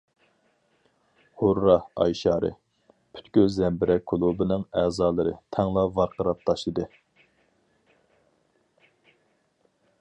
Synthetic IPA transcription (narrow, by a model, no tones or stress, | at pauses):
hoɾːɑhɑ̰jʃɑːɾɨ̰ | pʰy̥t̪kʲyzɛmbɪɾɛkʰːulˠubɨnɨŋæːzɑːlˠɨɾɨ̰t̪ʰɛŋlˠɑvɑɾqʰəɾɑp̚t̪ʰɑʃid̪ɨ